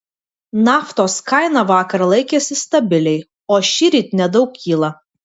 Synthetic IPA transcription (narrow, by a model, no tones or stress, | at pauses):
nɑːft̪oːskɑɪnɑʋɑːkɐɾlˠɐɪkʲeːsʲɪst̪ɐbʲɪlʲɛɪ | oːʃʲiɾʲiːt̪ʲnʲɛd̪ɒʊkkːʲiːlˠɐ